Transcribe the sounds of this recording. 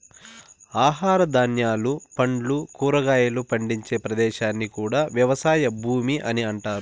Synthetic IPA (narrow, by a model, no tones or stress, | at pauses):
aːɦaːɾɐd̪anjaːlupɐɳɖlukuːɾɐɡaːjɐlupɐɳɖiɲt͡ʃe̞ːpɾɐd̪ɛːʃaːnːikuːɽaːʋjɐʋɐsaːjɐbʱuːmiʔɐniɐɳʈaːɾu